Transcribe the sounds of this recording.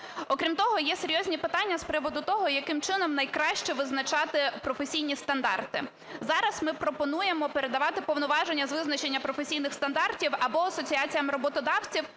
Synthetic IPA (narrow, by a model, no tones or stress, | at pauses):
ɔkɾʲimt̪ɔɦɔjɛse̞ɾʲjɔzʲnʲipɪt̪ɑnʲːɐspɾɪʋɔd̪ʊt̪ɔɦɔjɐkɪmt͡ʃɪnɔmnɐjkɾɑʃt͡ʃɛʋɪznɐt͡ʃɑt̪ɪpɾɔfesʲijnʲist̪ɐnd̪ɑ̰rt̪ɪ | zɑɾɐsmɪpɾɔpɔn̪ujemɔpeɾe̞d̪ɐʋɑt̪ɪpɔwnʊʋɑʒenʲːɐzʋɪznɐt͡ʃe̞nʲːɐpɾɔfesʲijnɪxst̪ɐnd̪ɑrtʲiwɐbɔɐsɔt͡sʲiɑt͡sʲijɐmɪɾɔbɔt̪ɔd̪ɑwt͡sʲiw